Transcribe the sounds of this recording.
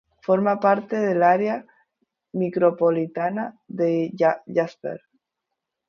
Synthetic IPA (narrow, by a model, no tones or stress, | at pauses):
foɾmapaɾt̪eðelaɾea | mikɾopolit̪anaðeʝaspḛɾ